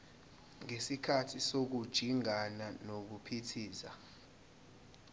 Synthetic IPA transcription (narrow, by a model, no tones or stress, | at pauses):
ŋesikʰatʰisok̬ud̥ʒ̥ʱiŋananok̬upʰitʰiːza